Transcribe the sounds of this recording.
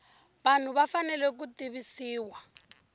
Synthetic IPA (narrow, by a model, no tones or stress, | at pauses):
βan̤uβafanɛlɛk̬utiβisiːwa